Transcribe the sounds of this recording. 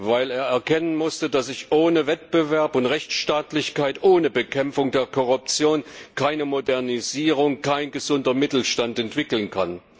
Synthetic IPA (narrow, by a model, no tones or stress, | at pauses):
vaɪleːɐɛɐkʰɛnənmʊstədasɪçʔoːnəvɛt̚b̥əvɛɐpʊntʁɛçt͡sʃtaːtlɪçkaɪtʔoːnəbəkʰɛmfʊŋdeːɐkʰɔʁ̞ʊp̚t͡sjoːnkʰaɪnəmodɛɐniziːʁʊŋkʰaɪnɡəzʊndɐmɪtl̩ʃtantɛntv̥ɪkl̩nkʰan